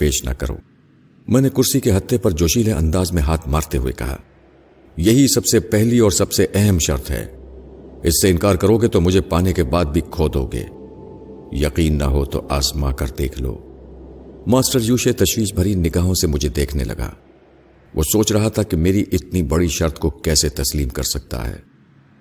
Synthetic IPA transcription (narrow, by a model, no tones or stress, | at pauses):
peːʃnɐ̰kɐ̰ɾo̰ː | mɛ̃ːnekʊɾsikeɦɐt̪ʰːepɐɾd͡ʒoːʃiːlẽɐ̰̃nd̪aːzmẽɦaːt̪ʰmaːɾt̪eɦuḛkɐ̰ɦa̰ː | jɐɦisɐbsepɛɦliɔːɾsɐbseʔɛɦɛmʃɐ̰ɾt̪ʰɦɛ̰ː | ɪsːeɪ̃nkaːɾkɐɾoɡet̪omʊd͡ʒʱepaːnekebaːd̪̚bʱikʰoːd̪ʱo̰ːɡḛː | jɐqiːnːɐ̰ɦot̪o̰ʔaːsmakɐɾd̪ḛːkʰlo̰ː | maːsʈəɾjuːʃet̪ɐʃwiːʃbʱɐɾiːnɪɡaːɦõsemʊd͡ʒʱed̪eːkʰnḛlɐ̰ɡa̰ː | ʋʔo̰ːsoːt͡ʃɾɐɦat̪ʰakimeːɾiʔɪt̪nibɐɽiʃɐɾt̪ʰkokɛːset̪ɐsliːmkɐɾsɐk̚t̪a̰ɦɛ̰ː